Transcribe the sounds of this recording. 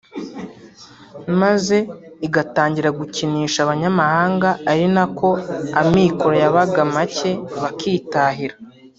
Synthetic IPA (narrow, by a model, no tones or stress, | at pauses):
maze̞iɡataːɲɟiɾaɡuciniːʃaβaɲamahaːŋɡaːɾinakʰo̞amiːko̞ɾojaβaɡamace̞βakiːtaːɦiɾa